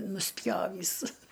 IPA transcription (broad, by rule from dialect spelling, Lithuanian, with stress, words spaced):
nʊsʲˈpʲjoːʋʲiːs